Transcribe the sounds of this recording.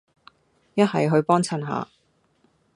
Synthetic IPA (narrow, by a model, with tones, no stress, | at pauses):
jɐ˥t̚hɐ˨jɦɵ˧ɥpɔː˥ŋt͡sʰɐ˨˩nɦa̰ː˨˧